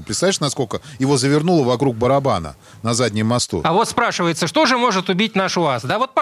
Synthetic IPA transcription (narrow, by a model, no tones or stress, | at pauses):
pɾɪt̪st̪avʲiʂnɐskokəjɪvo̞zəvʲɪrnulˠəvɐkɾuɡ̚bəɾɐbanə̰ | nɐzadʲnʲɪjmːɐst̪ṵɐvo̞t̪spɾaʂɨvəjɪt̪səʂt̪o̞ʐɨmo̞ʐɨt̪ʊbʲit̚ʲnaʂʊasd̪avo̞t̪̚p